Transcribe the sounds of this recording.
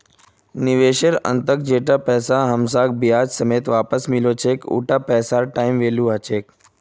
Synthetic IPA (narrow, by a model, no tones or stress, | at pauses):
nɪʋeːʃəɾə̰̃nt̪ək̚d͡ʒeːʈapɛːsaɦəmsaːk̚bijaːd͡ʒsəmeːt̪ʋaːpəsmɪlot͡ʃʰeːkṵːʈapɛːsaːɾʈaːɪmʋeːluat͡ʃʰeːk